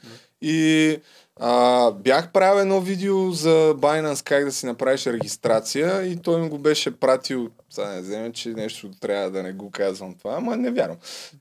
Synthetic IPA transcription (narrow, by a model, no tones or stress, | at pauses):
i | əbjaxpɾawɛd̪nɔvid̪ɛozɐbajnənskaɡd̪ɐsinɐpɾaviʃɾɛɡʲist̪ɾat̪sijəit̪ɔjimɡobɛʃɛpɾat̪il | sanɛzɛmɛt͡ʃɛnɛʃt̪ʊt̪ɾʲavɐd̪ɐnɛɡokazvəmt̪ovaːmɐnɛvʲjaɾvɐm